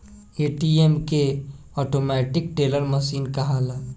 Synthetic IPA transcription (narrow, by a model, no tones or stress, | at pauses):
eːʈiemke | ɔːʈomɛːʈɪkʈeːləɾməsiːnkaɦalaː